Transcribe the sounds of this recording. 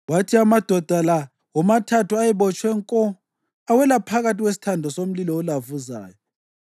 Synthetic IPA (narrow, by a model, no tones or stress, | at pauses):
watʰiamad̥ʱɔd̥ʱala | wɔmatʰatuajɛβɔt͡ʃʼwɛŋkʼɔ | awɛlapʰaɣatiɣwesi̥tʰandʱɔsom̩lilɔːlavuza̰ːjɔ